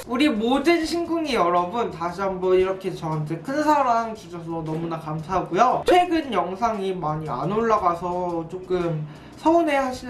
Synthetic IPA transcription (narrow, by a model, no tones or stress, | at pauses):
uɾimodɯnɕʰinɡuŋijʌɾʌbuntaɕʰiɦambʌiɾʌkʰe̞t͡ɕʌand͡ʑʰekʰɯnsʰaɾaŋt͡ɕud͡ʑʰʌsʰʌnʌmunakamsʰaɦɡujot͡ɕʰwe̞ɡɯnjʌŋsʰaŋimaɲia̰noɭːaɡasʰʌt͡ɕok͈ɯm | sʰʌunɦe̞haɕʰi